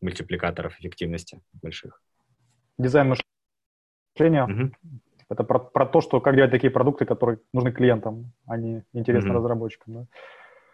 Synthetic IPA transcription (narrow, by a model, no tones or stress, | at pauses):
mʊlʲtʲɪplʲɪkat̪əɾəfɪfʲɪktʲivnəsʲtʲɪbɐlʲʂɨx | dʲɪzajnmɨʂ | lʲenʲɪjə | ɛt̪əpɾɐpɾɐt̪o̞ʂt̪o̞kak̚dʲlˠət̚ʲt̪ɐkʲijəpɾɐd̪ukt̪ɨkɐt̪o̞ɾɨjənʊʐnɨklʲɪje̞nt̪əmɐnʲiɪnʲtʲɪɾʲe̞snəɾəzrɐbo̞t͡ɕːɪ̥kəmd̪a